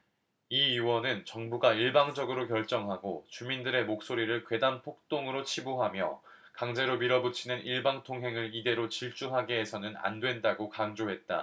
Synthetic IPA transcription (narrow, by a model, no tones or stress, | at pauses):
iiwʌnɯnt͡ɕʌŋbuɡaiɭbaŋd͡ʑʌɡɯɾok̬jʌɭt͡ɕ͈ʌŋɦaɡot͡ɕumindɯɾe̞mok̚s͈oɾiɾɯɭkwe̞dampʰok̚t͈oŋɯɾot͡ɕʰibuɦamjʌ̰ | kaŋd͡ʑe̞ɾomiɾʌbut͡ɕʰinɯnʔiɭbaŋtʰoŋɦe̞ŋɯɾide̞ɾot͡ɕiɭt͡ɕ͈uɦaɡe̞ːsʰʌnɯna̰ndwe̞ndaɡokaŋd͡ʑoɦe̞t̚t͈a̰